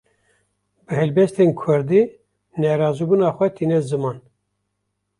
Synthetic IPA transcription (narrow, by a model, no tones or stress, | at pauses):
bɨɦɛlbɛst̪eːnkʰʊɾd̪i | nɛɾɑːzubunɑːxʷɛt̪ʰiːnɛzɨmɑːn